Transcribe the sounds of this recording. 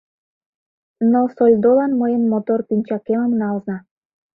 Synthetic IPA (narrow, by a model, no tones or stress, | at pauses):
nosolʲd̪olɑnmojənmot̪orpinʲt͡ɕɑkeməmnɑlˠznɑ